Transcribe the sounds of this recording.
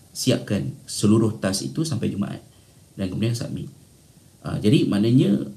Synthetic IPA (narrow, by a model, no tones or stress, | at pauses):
siap̚kansəluɾʊht̪asḭt̪usampajd͡ʒumã̰ʔa̰t̪̚ | dankəmudiansa̰ʔmḭ̃ | ʔə̰d͡ʒadimanaɲã